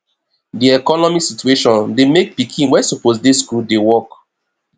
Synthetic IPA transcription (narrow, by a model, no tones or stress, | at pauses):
diɛkɔnɔmisitueʃɔ̃ndemek̚pikʰĩnwɛsoposdiskuldewɔk